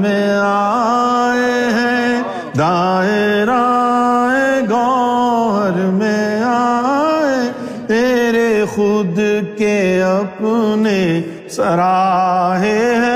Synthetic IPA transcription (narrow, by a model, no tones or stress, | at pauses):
mẽaːe | ɦɛ̃ | d̪aːɪɾa | eɡɔː | ɾmẽaːe | meːɾexʊd̪keɐpne | sɐɾaːɦeɦɛ̃